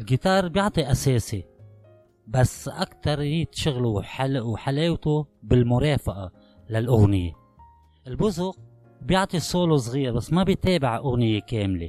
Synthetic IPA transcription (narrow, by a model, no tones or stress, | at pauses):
ʔɪlɡit̪ɑːɾˤbjʊʕt̪ˤiʔaseːsi | basːʔa̰kt̪ɑɾˤjiːt̪ʃʊɣluħalʔuħaleːwt̪ubɪlmʊɾˤɑːfaʔa | lalʔʊɣnɪje | ʔɪlbʊzʊq | bjʊʕt̪ˤisˤoːlos̬ˤɣiːɾbasːmabɪjt̪eːbɪʕʔʊɣnɪjekeːmlḛ